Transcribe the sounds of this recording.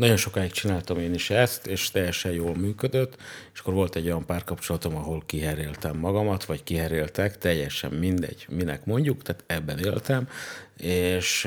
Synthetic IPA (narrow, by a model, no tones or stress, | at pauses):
nɒɟo̞nʃo̞kaːjikt͡ʃinaːlt̪ɒmeːniʃɛst̪eːʃt̪ɛjːɛʃɛjjoːlmyːkød̪øt̪ːeʃɒ̥kːoɾʋo̞lt̪ɛɟːo̞jɒmpaːrkɒpt͡ʃo̞lɒt̪o̞mɒɦo̞lkiɦɛɾeːlt̪ɛmːɒɡɒmɒt̪ʋɒckiɦɛɾeːlt̪ɛkt̪ɛjːɛʃɛ̰mːind̪ɛ̰ɟ̥minɛ̰kmo̞ɲɟukt̪aːt̪ɛbːɛneːlt̪ɛmeːʃ